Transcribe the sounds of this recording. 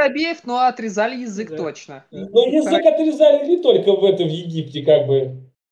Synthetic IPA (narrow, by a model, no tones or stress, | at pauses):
ɐbʲejɪfnoɐt̪ɾʲɪzalʲɪjɪzɨkt̪o̞t͡ɕnənojɪzɨkɐt̪ɾʲɪzalʲɪlʲɪt̪o̞lʲkəvɛt̪əvjɪɡʲiptʲɪkaɡ̚bɨ